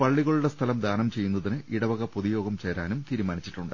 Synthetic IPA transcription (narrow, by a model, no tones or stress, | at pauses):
pɐɭːiɣɐɭuɽest̪ʰɐlɐmd̪ʱaːnɐmt͡ɕe̞jːun̪ːɐðinɨʔiɽɐʋɐɣɐpoðijo̞ːɡɐmt͡ɕeːɾaːnumt̪iːɾumaːnit͡ɕːi̥ʈːuɳɖɨ